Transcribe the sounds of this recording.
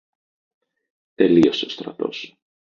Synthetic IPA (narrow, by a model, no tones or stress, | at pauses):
t̪e̞lio̞seost̪ɾɐ̰t̪o̞̰s